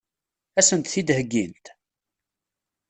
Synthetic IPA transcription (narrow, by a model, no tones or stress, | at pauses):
æsənt̪θid̪həɡːint̪